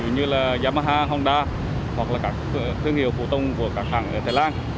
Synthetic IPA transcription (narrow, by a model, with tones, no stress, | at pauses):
ɨ˨˩ɲɨ˧laː˨˩zaː˧maː˧ɦaː˧ɦɔ˧ŋ͡mɗaː˧ | hwa˨˩k̚laː˨˩kaː˦˥k̚t̪ʰɨ˧əŋhi˧˩˨əwfu˧˩t̪ə˧wŋ͡mku˧˩əkaː˦˥k̚haː˧˩ŋʔəː˧˩t̪ʰaː˨˩laː˧n